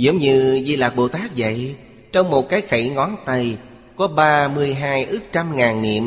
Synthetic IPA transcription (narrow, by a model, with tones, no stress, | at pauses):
zḭ˧˦əŋ͡mɲɨ˧zi˧laː˨˩k̚ɓo̰˧˩t̪aː˦˥k̚zə̰˧˨j | t͡ɕɔ˧wŋ͡mmo˨˩t̚kaː˨˦jxi˧˩ŋɔ˨˦nt̪ə˧j | kɔ˨˦ɓaː˧mɨ˧əjɦaː˧jʔɨ˦˥k̚t͡ɕa˧mŋaː˨˩nːḭ˧˨əm